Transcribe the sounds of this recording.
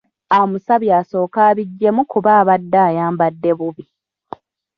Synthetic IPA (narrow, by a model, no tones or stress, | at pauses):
aomusaβjaːso̞ːkaːβiɟːe̞mukuβaːβadːaːjaːmbadːe̞βuβi